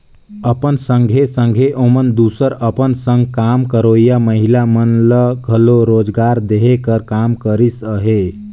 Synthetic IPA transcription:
əpənsə̃ŋɡʱesə̃ŋɡʱeʔomənd̪usəɾəpənsə̃ŋɡkamkəɾoijaməɦilamənləɡʱəloɾod͡ʒɡaɾd̪eɦekəɾkamkəɾisəɦe

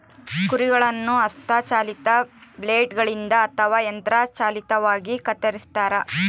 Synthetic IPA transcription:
kuɾiɡɐɭɐnːuɐst̪ʰɐt͡ʃaːlit̪ɐbleːɖɡɐɭind̪ɐːt̪ʰɐʋaːjɐnt̪ɾaːt͡ʃaːlit̪ɐʋaːɡikɐt̪ːɐɾist̪aːɾɐ

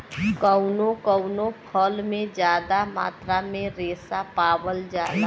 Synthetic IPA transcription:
kəʊnokəʊnopʰəlmẽd͡ʒjaːd̪ama̰ːt̪ɾamẽɾeːsapaːwəld͡ʒaːɾ

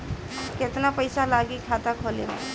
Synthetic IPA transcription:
kɪt̪napəɪsalaːɡikʰaːt̪akʰoːleḛ̃

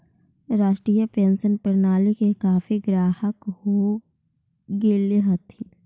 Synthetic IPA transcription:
ɾaːʃʈɾiːjəpeːnsənpɾnaːlikekaːfiɡɾaːhəkho | ɡeːleɦət̪ʰi

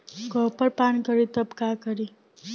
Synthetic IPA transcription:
kʌpʌɾpankʌɾit̪ʌbkakʌɾi

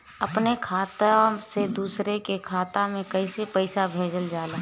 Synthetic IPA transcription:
ɐpnekʰaːt̪ased̪uːsɾekekʰaːt̪ãmẽkɐisepəɪsabʱeːd͡ʒəld͡ʒaːlaː

